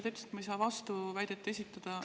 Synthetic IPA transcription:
t̪et̪ːse̥t̪mɑjs̬ɑːvɑst̪uvæjd̪̥et̪ːˑe̞s̬ʲit̪ːˑɑd̪̥ɑ

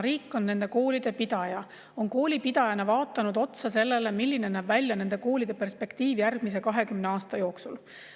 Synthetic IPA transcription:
ɾiːkːˑo̞nːe̞nd̪e̞ko̞ːlid̪̥e̞pid̪ɑjɑ | o̞nko̞ːlʲipid̪̥ɑjɑnɑvɑːt̪ːˑɑnud̪o̞t̪sɑse̞lːe̞le̞milʲːinenæːb̥vælʲjɑne̞nd̪̥e̞ko̞ːlid̪̥e̞pe̞rspe̞kt̪iːvjærɡ̥mis̬e̞kɑɦe̞kymne̞ɑːst̪ɑjo̞ːksul

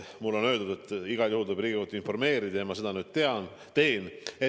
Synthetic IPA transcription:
mulːo̞nø̞ːld̪ud̪et̪ˑːiɡ̥ɑljuhuld̪obriːɡiut̪uinfo̞rme̞ːɾid̪ɑjemɑse̞d̪ɑnyːd̪̥̚t̪e̞ɑn | t̪e̞ːne

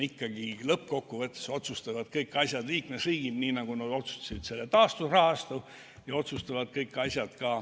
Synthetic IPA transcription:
ikːɑɡilɤpːko̞kːuvɤt̪ːˑe̥so̞t̪sust̪ɑvɑd̪̥kɤjkːˑɑsʲjɑd̪liːkmesriːɡ̥id̪niːnɑɡ̥unɑd̪o̞t̪su̥st̪ɑ̥sid̪̥se̞lːet̪ɑːst̪urɑhɑst̪u | jɑo̞t̪sust̪ɑvɑd̪̥kɤjkːˑɑsʲjɑd̪̥kɑː

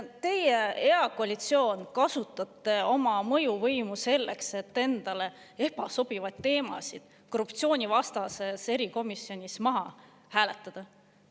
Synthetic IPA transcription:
t̪e̞jee̞ɑkoɑlʲit̪sio̞ːnkɑsut̪ːˑɑt̪ːˑe̞o̞mɑmɤ̞juvɤjmuse̞lːekse̞t̪ːe̞nd̪̥ɑle̞ | e̞pɑso̞b̥ivɑjt̪ːe̞ːmɑ̰sid̪̥ | korupt̪sio̞ːnʲivɑst̪ɑse̞se̞ɾiko̞misjo̞nʲismɑɦɑ | hæːle̞t̪ːˑɑd̪̥ɑ

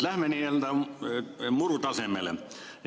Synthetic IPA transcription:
læhmenield̪æ | murut̪ɑsemːelḛ

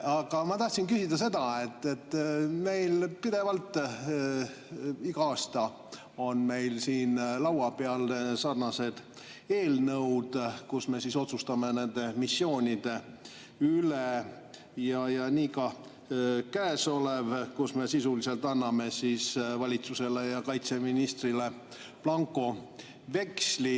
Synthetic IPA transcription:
ɑɡ̥ɑmɑt̪ɑht̪sinkysid̪ɑse̞d̪̥ɑe̞t̪ːe̞t̪ːme̞jlpid̪e̞vɑlt̪ˑː | iɡɑɑːst̪ɑ | o̞nme̞jlsiːnlɑwɑpeɑlsɑrnɑse̞d̪̥ | e̞ːlnɤwd̪̥kusme̞siso̞t̪sust̪ɑme̞ne̞nd̪̥e̞misːjo̞ːnʲid̪̥e̞ | yle | jɑjɑniːkɑ | kæeso̞levkusme̞sisulise̞lt̪ɑnːɑme̞sisvɑlʲit̪suse̞le̞jɑkɑjt̪se̞minist̪rile̞ | plɑŋkˑo̞ | ve̞ksli

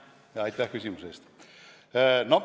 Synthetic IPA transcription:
ɑjt̪ːˑæhkysʲimuseːst̪ː | no

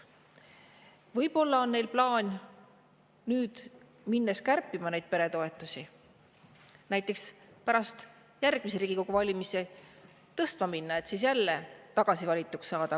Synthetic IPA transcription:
vɤjb̥o̞lːɑo̞nne̞jlplɑːnʲ | nyːd̪̥ | minːeskærpˑːimɑne̞jd̪̥̚pe̞ɾe̞t̪o̞e̞t̪ːˑusʲi | næjt̪ːˑe̞kspæɾɑst̪ | jærɡ̥̚mis̬eɾiːɡ̥iko̞ɡuvɑlʲimise | t̪ɤst̪mɑminːɑe̞t̪siːs̬jælːet̪ɑɡ̥ɑsivɑlʲit̪ˑːuksːɑːd̪̥ɑ

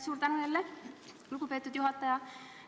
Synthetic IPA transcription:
suːɾt̪ænujelːe | uɡupe̞ːt̪ːˑud̪̥juɦɑt̪ːˑɑjɑ

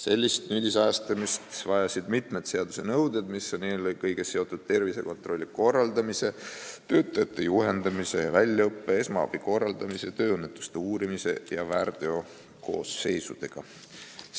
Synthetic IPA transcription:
se̞lʲːist̪nylʲisæːst̪ɑmist̪vɑjɑsid̪̥mit̪ˑme̞d̪̥se̞ɑd̪usenɤwd̪ed̪̥misːnːelolʲkɤjɡ̥eseo̞t̪ːˑud̪̥̚t̪e̞rvise̞̰ko̞nt̪ro̞lʲːiko̞rːɑld̪ɑmise̞t̪ø̞ːt̪ːˑɑjɑt̪ːˑe̞juɦe̞nd̪ɑmise̞jɑvælʲːɑɤpːee̞smɑɑ̰b̥iko̞rːɑld̪̥ɑmise̞t̪ø̞ːɯnːet̪ːˑu̥st̪euːɾimise̞̰jɑværd̪̥eo̞ | ko̞̰ːsːe̞jsud̪̥e̞ɡ̥ɑ̰

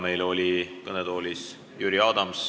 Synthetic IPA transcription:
me̞jlo̞lʲikɤned̪̥o̞ːlʲis | jyɾiɑːd̪̥ɑms

